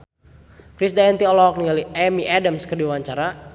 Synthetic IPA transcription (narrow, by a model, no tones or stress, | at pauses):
kɾisdaɛnt̪iɔlɔk̚niŋaliɛmiʔadəmskərdiwaɲt͡ʃaɾa